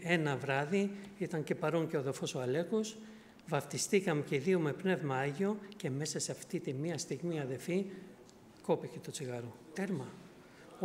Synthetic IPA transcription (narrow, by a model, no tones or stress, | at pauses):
e̞nɐvɾɐðiit̪ɐɲce̞pɐɾo̞ɲce̞oðefo̞soɐle̞kos | vɐft̪ist̪ikɐmeceðiome̞pne̞vmɐɐʝio̞ce̞me̞sɐseɐft̪it̪imiɐst̪iɣmiɐðelfi | ko̞piçet̪o̞t͡siɣɐɾo | t̪e̞ɾmɐ